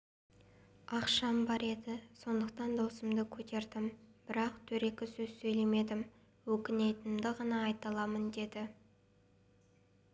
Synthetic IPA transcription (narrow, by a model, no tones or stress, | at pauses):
ɑqʃɑmbɑɾe̞d̪ɪso̞nd̪əqt̪ɑnd̪owsəmd̪əkʲʰɵt̪e̞ɾd̪ɪmb̥ɪɾɑqt̪ʰɵɾe̞kʲɪsɵzsɵjle̞me̞d̪ɪm | wɵkʲɪne̞t̪ɪnɪmd̪ɪʁɑnɑːjt̪ɑlˠɑmənd̪e̞d̪ɪ